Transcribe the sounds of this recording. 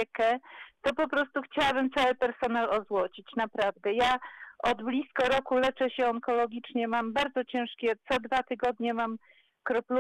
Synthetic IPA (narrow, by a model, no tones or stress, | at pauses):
ɛkɛt̪ɔpɔpɾɔst̪uxt͡ɕawabɘmt̪sawɘpɛɾsɔnalɔzwɔt͡ɕit͡ɕnapɾavd̪ɛjaɔd̪blʲiskɔɾɔkulɛt͡ʂɛɕɛɔŋkɔlɔɡʲit͡ʂɲɛmambaɾd̪zɔt͡ɕɛ̃w̃ʂkʲɛt̪sɔd̪vat̪ɘɡɔd̪ɲɛmam | kɾɔplu